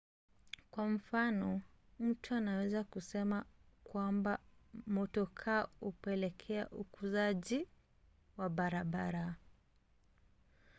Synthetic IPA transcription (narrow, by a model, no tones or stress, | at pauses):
kwam̩fanɔ | m̩tuanawɛzakusɛmakwambamɔtɔkʰaupɛlɛkʰɛa̰ʔukuzaʄi | waɓaɾaɓaɾa